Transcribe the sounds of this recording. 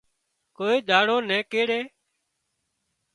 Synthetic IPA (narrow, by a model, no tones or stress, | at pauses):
koːiːd̪ʱaːɽoːnɛ̃ːkeːɽeː